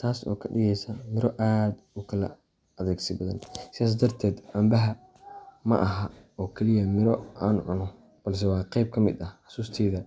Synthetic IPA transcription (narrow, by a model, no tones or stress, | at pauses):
t̪ʰaːsɔ̰ːkʰɐɖɪɣɛjsɐmɪɾɔʔaːd̪ʊkʰɐlɐ̰ | ɐðɛːɡsɪbɐðɐ̰nsɪðaːs̬d̪ɐrt̪ʰɛːd̪ʔɐmbɐɦɐ | mɐ̰ʔɐɦɐɔːkʰɛlɪjɐmɪɾɔʔaːnʕʊnɔ | b̥ɐls̬ɛwɑːqɛjb̚kʰɐmɪ̰d̪ɐħɑsuːst̪ʰɛːðɐ